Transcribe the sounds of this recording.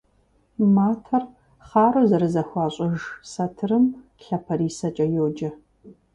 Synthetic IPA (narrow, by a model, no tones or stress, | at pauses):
maːtʰɐr | χaːrozɐɾɨzɐxʷɑːɕʼɐʒsɐtʰɨrɨm | ɬɐpʰɐriːsɐt͡ʃʼɐjoːd͡ʒɐ